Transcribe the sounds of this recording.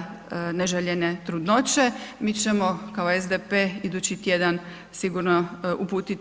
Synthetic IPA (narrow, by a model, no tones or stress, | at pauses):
neʒeʎenet̪ɾud̪not͡ɕe̞miːt͡ɕe̞mo̞kao̞ezd̪epeːid̪ut͡ɕit̪je̞d̪an | siɡuɾnoʔupuːt̪it̪